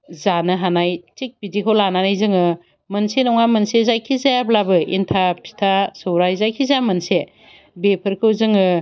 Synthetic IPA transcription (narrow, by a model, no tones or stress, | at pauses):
zanɯɦanajt͡ʃik̚pidikʰɯwlananajzɯŋɯ | mɯnsenɔŋamɯnsezajkʰizajablabɯḭntʰapʰi̥tʰasɯwɾajzajkʰizajamɯnse | bepʰɯɾkʰɯwzɯŋɯ